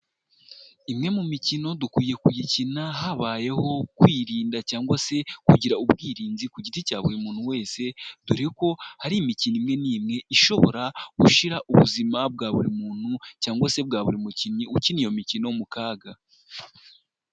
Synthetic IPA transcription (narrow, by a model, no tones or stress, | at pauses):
imŋe̞mumicino̞dukwiːje̞kujicinaɦaβaje̞ho̞kwiːɾiːndacaːŋɡwase̞kuɟiɾaubɡiːɾiːnzikuɟiticaːβuɾimuːn̥huwe̞ːse̞d̥uɾeko̞haɾimicinimŋe̞niːmŋe̞ʔiʃo̞βo̞̰ɾaɡ̥uʃiɾaʔuβṵzimab̚ɡaːβuɾimuːn̥hucaːŋɡwase̞bɡaːβuɾimuciniucinijo̞micino̞mukaːɡa